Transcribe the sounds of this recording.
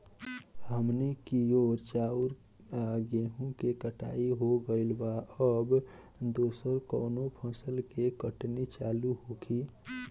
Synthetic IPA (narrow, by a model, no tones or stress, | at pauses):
həmnikijoɾt͡ʃauɾ | aɡeɦũkekəʈa̰iɦoɡəɪlbaəb | d̪oːsəɾkəːnopʰə̃səlkekəʈnit͡ʃaluɦokʰi